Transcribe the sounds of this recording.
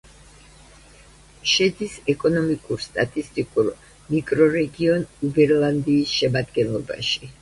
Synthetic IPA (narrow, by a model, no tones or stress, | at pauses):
ʃɛd̪isɛkʼɔnɔmikʼuɾst̪ʼat̪ʼist̪ʼikʼuɾ | mikʼɾɔɾɛɡiɔnubɛɾlˠand̪iːsʃɛmad̪ɡɛnlˠɔba̰ʃi̥